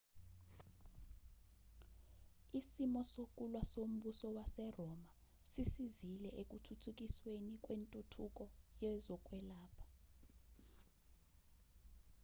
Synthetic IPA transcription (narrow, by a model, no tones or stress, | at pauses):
isimɔsokʼulwasom̩ɓusɔwasɛrɔma | sisizilɛʔek̬ʼutʰutʰuk̬ʼiswenikʼwentʼutʰuk̬ʼɔjɛzɔkʼwɛlaːpʰḁ